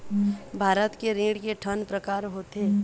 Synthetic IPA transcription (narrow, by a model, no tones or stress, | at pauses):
bʱaːɾət̪keɾĩːɖkeʈʰənpɾəkaːɾɦot̪eː